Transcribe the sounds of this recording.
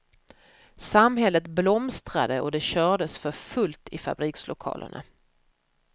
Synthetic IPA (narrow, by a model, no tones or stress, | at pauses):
samɦɛlːət̪blɔmst̪ɾa̰d̪əɔd̪ɛɕœːɖəsfœɾfɵlt̪ɪfa̰bɾiːkslʔʊkʰɑ̰ːlʔə̰ɳa̰